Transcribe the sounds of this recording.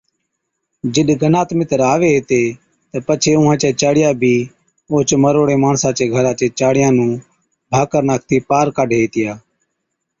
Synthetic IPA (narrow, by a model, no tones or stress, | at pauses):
d͡ʒɪɗɡənaːt̪mɪt̪əɾaːʋeːɦeːt̪eː | t̪əpət͡ʃʰeːʊɦãːt͡ʃeːt͡ʃaːɽɪjaːbʱiː | oːt͡ʃməɾoːɽeːmaːɳsãːt͡ʃeːɡʱəɾãːt͡ʃeːt͡ʃaːɽɪjãːnũː | bʱaːkəɾnaːk̚ʰt̪iːpaːɾkaːɖʱeːeːt̪ɪjaː